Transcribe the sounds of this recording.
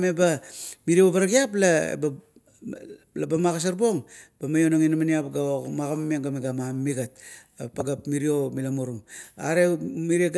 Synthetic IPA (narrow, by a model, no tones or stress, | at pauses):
mebamiɾio̞baɾaɡiap̬la̰ba | labamaɣas̬aɾbo̞ŋb̥amajo̞naŋinamaniapɡaomaɡamameŋɡameɡamammiɡat̚ | paɡapmiɾio̞milamoɾuŋa̰ɾemiɾieɡ